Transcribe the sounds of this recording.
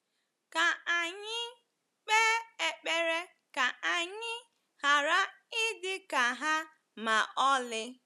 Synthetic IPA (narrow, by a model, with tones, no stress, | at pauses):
ka˨a˨ɲɪ˦ | k͡pe˦e˨k͡pe˦ɾe˦ | ka˨ʔa˨ɲɪ˦ | ha˨ɾa˦ | ɪ˦dɪ˦ka˨ɦa˦ | ma˨ʔɔ˦lɪ˦